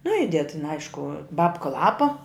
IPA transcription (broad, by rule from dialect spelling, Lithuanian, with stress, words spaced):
nʊ ˈɪdʲɛt tʲɪn ˈɐɪʃkʊ ˈbɑːpkɐ ˈlˠɑːpɐ